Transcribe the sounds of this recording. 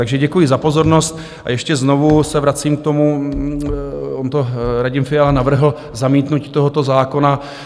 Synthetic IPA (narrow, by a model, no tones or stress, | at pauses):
t̪aɡʒɛɟɛkujɪzapo̞zo̞ɾno̞st̪ | ʔa̰jɛʃcɛzno̞vusɛvɾat͡siːmk̚t̪o̞mu | ʔont̪oɾaɟɪmfɪalanavr̩ɦl̩ | zamiːt̪nuci̥t̪o̞ɦo̞t̪o̞zaːko̞na